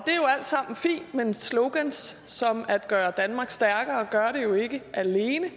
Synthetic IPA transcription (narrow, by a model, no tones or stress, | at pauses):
d̥e̝æɐjo̝æl̰d̥sɑ̈m̰n̩fḭːnd̥mensloʊɡ̥ænsːɒ̽mæd̥ɡ̥ɶːɐd̥ænmɑ̈ːɡ̥sd̥æɐɡ̥ɐɒɡ̥ɶɐɾe̝jo̝e̝ɡ̥əʔæle̝ːnə